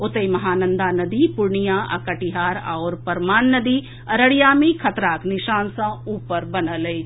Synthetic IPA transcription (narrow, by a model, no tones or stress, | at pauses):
ʊt̪əjmɐɦaːnɐ̃nd̪aːnɐd̪ipʊɾɳijãːʔɐ̰kɐʈiɦaːɾa̰ʊɾpɐɾmaːnːɐd̪i | ɐɾəɽijaːmĩkʰɐt̪ɾaːknɪʃaːnsɐ̃uːpəɾbɐnələi